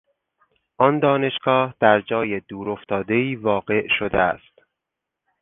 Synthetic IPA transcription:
ʔɒnd̪ɒːne̞ʃɡ̥ɒːhd̪̥æɾd͡ʒɒːjed̪uːɾoft̪ʰɒːd̪e̞iːvɒːɡe̞ʔʃod̪eæ̰st̪

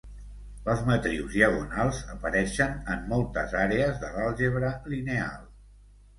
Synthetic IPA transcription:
əlˠzmət̪ɾiwzðiəɣ̞unalˠzəpəɾɛʃənəmːɔlˠt̪ə̰zaɾeəzðəɣalˠʒeβɾəlinea̰lˠ

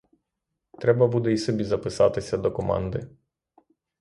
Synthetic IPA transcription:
t̪ɾebabud̪eisebizapəsat̪esʲad̪okoma̰nd̪ḛ

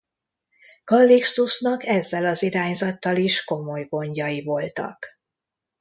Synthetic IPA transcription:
kɒlːikst̪usnɒkɛzːɛlɒziɾaːɲzɒt̪ːɒliʃko̞mo̞jɡo̞ɲɟɒjivo̞lt̪ɒ̰k

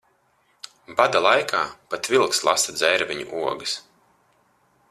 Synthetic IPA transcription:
bad̪alˠajkʰaːpat̪vʲilˠkslˠasad̪zɛjɾvʲiɲṵʔuɔɡɨs

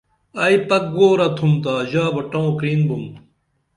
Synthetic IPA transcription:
aipɐk̚ɡoːɾɐt̪ʰumt̪aːʑaːbɐʈãõkɾiːnbum

